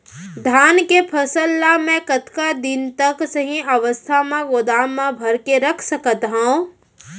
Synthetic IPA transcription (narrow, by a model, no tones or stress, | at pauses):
d̪ʱaːnkepʰɐsəlːamɛ̃kət̪kad̪ɪnt̪əksəɦĩʔəʋəst̪ʰamãɡʊd̪aːmːãbʱɐɾkeɾɐkʰsəkət̪ɦõ